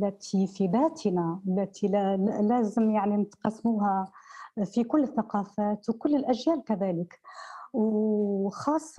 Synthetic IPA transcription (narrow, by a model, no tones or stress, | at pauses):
lːat̪ʰifib̪aːt̪ʰnalːat̪ʰilæːzɪmjaʕnint̪qɑsːmuːha | fikʊlːɪθːaqɑːfaːt̪wkʊlːɪlʔæʒjæːlkaðæːlɪkw | xɑːsˤː